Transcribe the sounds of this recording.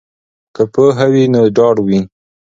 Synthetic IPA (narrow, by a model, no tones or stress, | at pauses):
kəpəɦawinoɖɑɽwi